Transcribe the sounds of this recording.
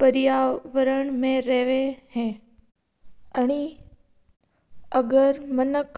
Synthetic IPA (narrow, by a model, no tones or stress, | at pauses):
pəɾɪjaːʋəɾəɳ̃mẽɾɛɦʋeɦẽː | əɽ̃i | əɡəɾmənək